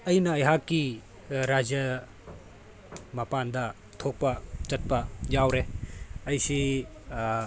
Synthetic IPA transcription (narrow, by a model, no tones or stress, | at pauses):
ɐjnɐːjɦakːi | ɾad͡ʒjɐ | mɐpandɐ | tʰok̚pɐt͡ʃɐt̚pɐjawɾeɐjsi